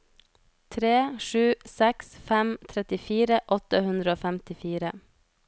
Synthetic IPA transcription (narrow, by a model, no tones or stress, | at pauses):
t̪ʰɾeːʃʉːsɛksfæmt̪ʰɾɛt̪ɪfiːɾəʔɔt̪əhʉnd̪ɾəoːfæmt̪ɪfiːɾə